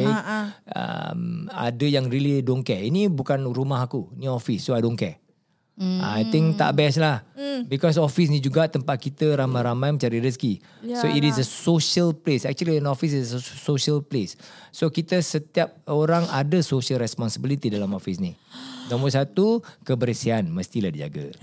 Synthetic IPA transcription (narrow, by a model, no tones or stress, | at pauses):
ə̰ma̰dəjaŋrilidoŋkɛinĩbukanrumaɦakuniɔfisːoajdõŋkɛ | a̰ajt̪ɪŋt̪a̰ʔbɛs̬lahbikɔs̬ɔfis̬nid͡ʒuɡat̪əmpat̪̚kit̪əɾamajɾamajmə̃ɲt͡ʃaɾiɾiski | soitisəsoʃəlplesɛk̚t͡ʃuəliənɔfisissəsoʃəlplesːokit̪əsət̪iap̚oɾaŋadəsoʃəlɾɛspɔnsəbilit̪idalamɔfisninaməsat̪ukəbəɾəsianməst̪ilahdid͡ʒa̰ɡa̰